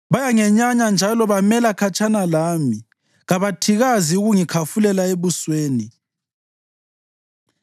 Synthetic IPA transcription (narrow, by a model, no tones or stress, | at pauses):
βajaŋɛɲaɲand͡ʒʱalɔβamɛlakʰat͡ʃʼʰanalaːmi | ɣaβatʰiɣaziuɣuŋikʰafulɛlaeβusweːni